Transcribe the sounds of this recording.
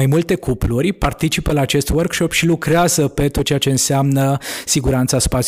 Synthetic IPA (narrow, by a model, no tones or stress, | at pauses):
ajmult̪e̞kʰuplurʲpart̪it͡ʃipəlaːt͡ʃe̞st̪wərkʃo̞pʃilukɾeazəpe̞t̪ot̪̚t͡ʃeat͡ʃe̞ɨnseamnəsiɡuɾant̪saspat̪ʲ